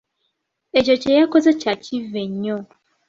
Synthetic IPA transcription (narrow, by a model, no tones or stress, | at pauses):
ed͡ʒot͡ʃejakozet͡ʃat͡ʃiveɲɔ